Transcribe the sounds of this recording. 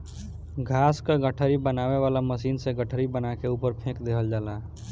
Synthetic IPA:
ɡʱaːskaɡəʈʰəɾibənaːweʋaːlaməsiːnsẽɡəʈʰəɾibənakeuːpəɾpʰẽːkd̪eːɦəld͡ʒaːla

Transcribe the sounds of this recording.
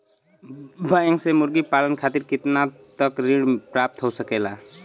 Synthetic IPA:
baeŋsemuɾɡipalənkʰat̪iɾkit̪natt̪ʌkɾiɽpɾap̚t̪ɦowsʌkela

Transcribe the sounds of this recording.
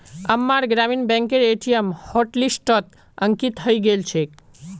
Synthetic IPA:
əmːaɾɡɾaminbɛ̃ŋkeɾeʈʰijəmhɔʈlisʈɔt̪ | əŋkit̪ʰɦəiɡelt͡ʃʰek

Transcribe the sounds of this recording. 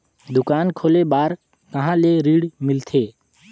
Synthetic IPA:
d̪ʊkaːnkʰoːlebaːɾ | kəɦãːleːɾiːɽmɪlt̪ʰeː

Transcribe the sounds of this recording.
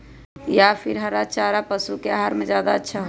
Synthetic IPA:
japʰiɾɦəɾat͡ʃaːɾapəsukeaɦaɾmed͡ʒjaːd̪aətːʃʰaɦ

